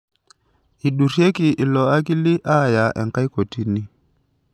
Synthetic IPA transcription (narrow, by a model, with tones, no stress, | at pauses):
i˨ɗu˨ɾje˦kɪ˨ʔɪ˨lɔ˨a˦kɪ˦lɪ˦ʔa˦˨ja˨ʔɛ̰˨ŋka˦jko˨ti˦nɪ˦